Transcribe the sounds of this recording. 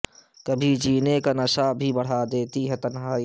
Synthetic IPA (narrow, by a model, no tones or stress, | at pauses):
kɐbʱid͡ʒiːnekanɐʃabʱibɐɽ̤ad̪eːt̪iɦɛt̪ɐnɦaːi